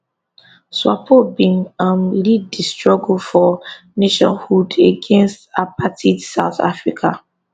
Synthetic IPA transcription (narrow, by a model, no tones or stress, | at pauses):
swapʰobĩŋãmlidistɹɔɡulfɔ | neʃɔ̰̃nhudeɡɛ̃nstapʰatʰidsaʊθa̰fɹikʰa